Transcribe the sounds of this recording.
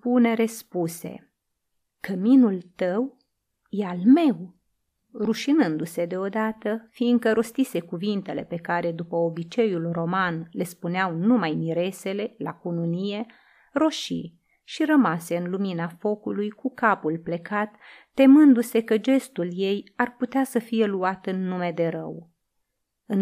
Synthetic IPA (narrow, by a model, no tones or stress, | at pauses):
pune̞ɾespuse̞̰ | kəminult̪əw | jealme̞w | ruʃinɨnd̪use̞d̪e̞o̞d̪at̪əfinɡ̪̚kəɾo̞st̪ise̞kuvint̪e̞le̞pe̞kaɾe̞d̪upəobit͡ʃe̞julro̞manle̞spuneawnumajmiɾe̞se̞le̞la̰kununije̞ | ro̞ʃḭ | ʃirəmase̞ɨnluminafo̞kulujkukapulple̞kat̪ː | e̞mɨnd̪use̞kəd͡ʒe̞st̪ulje̞jarput̪easəfije̞luat̪ɨnːume̞d̪e̞ɾə̰w | ɨn